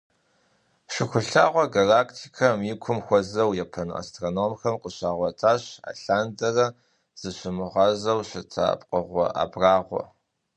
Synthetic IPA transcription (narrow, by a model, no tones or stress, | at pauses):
ɕɪxʷʊɬaːʁʷɔɡalaːkʰtʰikʰɐmjɪkʷʰʊmxʷɔzɐwjɛpʰɐna̰stʰʼroːnoːmxɐmqʼəɕaːʁʷɔtʰaːɕa̰ːɬaːndɐrɐ | z̥ɨɕɪmɨʁɑːzɐwɕʷɪtʰa̰ːpʼqʼəʁʷɔ̰ʔa̰ːbraːʁʷɔ̰